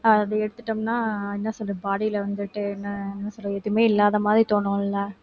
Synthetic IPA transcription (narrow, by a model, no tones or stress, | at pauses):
ɐðɐɛɽɯt̪ːɯʈːɐmnaːɪnːɐsɔlːɐbaːɽiɪlɐʋɐnd̪ɯʈːɯɛnːɐɛnːɐsɔlːɐɛt̪ːɪmeːɪlːaːðɐmaːd̪ɾit̪oːɳõːlːɐ